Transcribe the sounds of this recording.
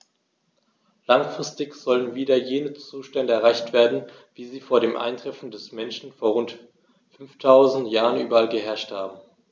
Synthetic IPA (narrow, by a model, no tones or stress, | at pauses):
laŋfʁ̥ɪstɪçz̥ɔlənviːdɐjeːnət͡suːʃtɛndəɛɐʁaɪçtv̥eːɐdn̩ | viːziːfoːɐɾeːmʔa̰ɪntʁ̥ɛfn̩dɛsmɛnʃn̩foːɐʁ̞ʊnt | fʏnftʰaʊzn̩tjaːʁənʔyːbɐalɡəɦɛɐʃthaːbm̩